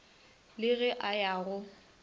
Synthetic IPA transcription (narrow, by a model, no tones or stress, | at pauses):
lɪɣɛʔajaːɣʊ